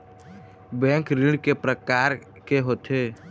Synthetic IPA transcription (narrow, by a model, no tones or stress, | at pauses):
bɛ̃ːŋkɾɪɽɖkepɾəkaːɾ | keɦoːt̪ʰeː